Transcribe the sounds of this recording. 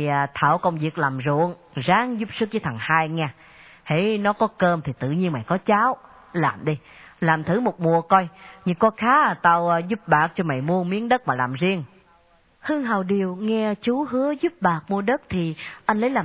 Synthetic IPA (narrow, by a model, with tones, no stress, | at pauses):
t̪ʰaː˧˩wkə˧wŋ͡mvi˨˩ək̚laː˨˩mzṵ˧˨ən | zaː˨˦ŋzu˦˥p̚sɨ˦˥k̚t͡ɕəː˨˦t̪ʰa˨˩ŋhaː˧jŋɛː˧ | hḛ˧˩˦jnɔ˨˦kɔ˨˦kəː˧mt̪ʰi˨˩t̪ɨ̰˧˨ɲi˧ənma̰˧˨jkɔ˨˦t͡ɕaː˨˦w | laː˨˩mɗi˧ | laː˨˩mt̪ʰɨ˧˦mo˨˩t̚mu˧˩əkɔ˧jɲɨ˧ŋkɔ˧xaː˨˦˨t̪a˧wzu˦˥p̚ɓaː˨˩k̚t͡ɕɔ˧ma̰˧˨jmu˧əmi˨˦ənɗə˦˥t̚maː˨˩laː˨˩mzi˧əŋ | hɨ˧əŋɦaː˨˩wɗi˨˩əwŋɛ˧t͡ɕu˨˦ɦɨ˨˦əzu˦˥p̚ɓaː˨˩k̚mu˧əɗə˦˥t̚t̪ʰi˨˩ʔa˧jn̟lə˨˦jlaː˨